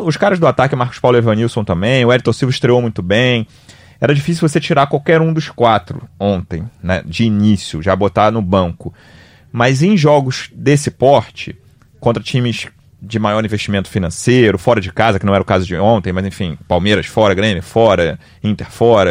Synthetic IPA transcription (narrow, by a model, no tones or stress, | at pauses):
ʊʃkaɾɐzd̪ʊat̪akɪmahkʊ̥spawlʊevɐ̃niwsõw̃t̪ɐ̃mbẽj̃ʊɛɾɪt̪oɾsivɐɪʃt̪ɾeowmũj̃t̪ʊbẽj̃ | ɛɾɐd͡ʒifis̬iuwvoset͡ʃiɾakwawkɛɾũd̪ʊskwat̪ɾʊ̰õnt̪ẽj̃nɛ̰d͡ʒɪːnisjʊʒabot̪anʊbɐ̃ŋkʊ | mɐjzẽj̃ʒɔɡʊʃd̪esɪpɔɾt͡ʃɪ̰ | kõnt̪ɾɐt͡ʃĩmɪʃ | d͡ʒɪmajɔɾĩveʃt͡ʃimẽnt̪ʊ̥finɐ̃sejɾʊfɔɾɐd͡ʒɪkazɐkɪnɐ̃w̃ɛɾɐʊkazʊd͡ʒɪõnt̪ẽj̃mɐjzẽfĩpawmeɾɐʃfɔɾɐɡɾẽmʊfɔɾɐ | ĩnt̪eɾfɔɾɐ